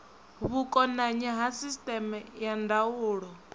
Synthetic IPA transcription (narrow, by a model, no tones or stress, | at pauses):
βukʼɔnaɲɛɦasistʼɛmɛjandauːɺɔ